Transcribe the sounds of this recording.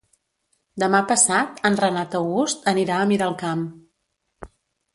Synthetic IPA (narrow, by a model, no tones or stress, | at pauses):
d̪əmapəsat̪ənrənat̪əwɣust̪əniɾaəmiɾaəlˠkam